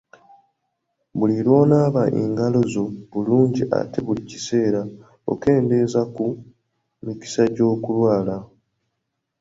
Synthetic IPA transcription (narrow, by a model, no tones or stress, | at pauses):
βulilwo̞ːnaːβaʔḭŋɡalo̞zo̞βuluːɲɟiʔa̰te̞βulicise̞ːɾa | o̰ke̞ːnde̞zaku | miki̥saɟo̞ːkulwaːla